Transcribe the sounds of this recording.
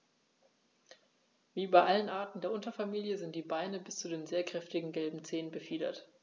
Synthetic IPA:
viːʔybaɪʔalənʔaɐtn̩deːɐʔʊntɐfamiːljəzɪnt̚d̥iːbaɪnəbɪst͡sudeːnzeːɐkʁ̥ɛftɪɡŋ̩ɡɛlbm̩t͡seːənbəfiːdɐ̰t

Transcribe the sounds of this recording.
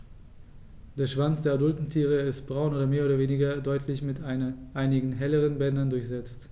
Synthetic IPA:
d̥eːɐʃv̥ant͡sd̥eːɐadʊltn̩tʰiːʁəɪstb̥ʁaʊnoːdɐmeːɐoːdɐveːnɪɡɐdɔʏtʰlɪçmɪtaɪnʔaɪnɪɡŋ̩ɦɛləʁ̞ənbɛndɐndʊɐçz̥ɛt͡st

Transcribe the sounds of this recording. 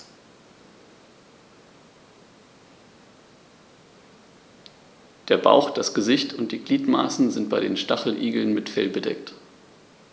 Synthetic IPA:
d̥eːɐba̰ʊxd̥asɡ̥əzɪçtʰʊntd̥iːɡliːtma̰ːsn̩zɪnt̚b̥aɪɾeːnʃtaχl̩ʔiːɡl̩nmɪtfɛlbədɛ̰k̚t

